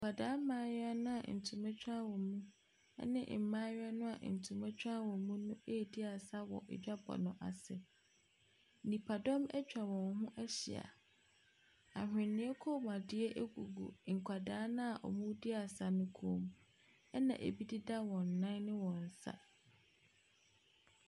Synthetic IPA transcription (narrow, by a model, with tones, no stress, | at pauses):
ŋ̩˨kʰʷa˨daː˦mãː˦ja˦nʊ̃˦a̰˨n̩˨tʰu˨mɛ̃˦t͡ɕᶣa˦wɔ̃˨mũ˦ | ɛ̰˦nɪ̰̃˦ʔm̩˨mãː˦ja˦nʊ̃˦a̰˨n̩˨tʰu˨mã˦t͡ɕᶣa˦wɔ̃˨mũ˦nʊ̃˦e˦˨di˦a˨sa˦wɔ̰˨ʔɪ̰˨d͡ʑᶣa˦bɔ̰˨nʊ̃˨ʔa̰˨sɪ˨ | nĩ˨pʰa˨dɔ˦mɛ˦t͡ɕᶣa˨wɔ̃˨nɦʊ̃˦ʔɛ˦ɕɪ̰˨a̰˨ | a˨hᶣɪ̃˨nɪ̃˨˦e˦kʰo˦˨m˨a˨dɪ˨˦ɛ˦ʔe˦ɡu˨ɡṵ˨ŋ̩˨kʷʰa˨daː˨˦nã˦a˨ʔɔ˨mũ˦dɪ˦a˨sa˨nʊ̃˦kʰoː˦˨˦m | ɛ˦nã̰˨ʔḛ˨bi˦di˦da˦wɔ̃˨n̩ː˨ã˦nɪ̃˦wɔ̃˨n̩˨sa̰˦